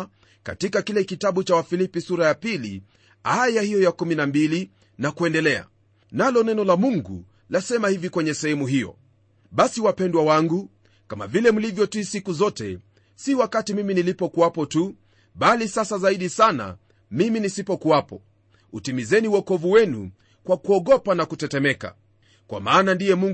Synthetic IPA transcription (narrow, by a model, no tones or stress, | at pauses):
ka̰tikakilɛkitaɓut͡ʃawafilipisuɾajapilḭ | ajahijɔjakuminambili | nakuɛndɛlɛa̰ | nalɔnɛnɔlamuŋɡṵ | lasɛmahivikwɛɲɛsɛɛmuɦijɔ̰ | ɓasiwapɛndwawaŋɡu | kama̰vilɛm̩livjɔtisikuzɔtɛ̰ | siwakatimiminilipɔkuwapɔtu | ɓalisasazaiɗisana̰ | miminisipɔkuwapɔ | utimizɛniuɔkɔvuwɛnṵ | kwakuɔɠɔpanakutɛtɛmɛka̰ | kwa̰maːnandijɛmuŋ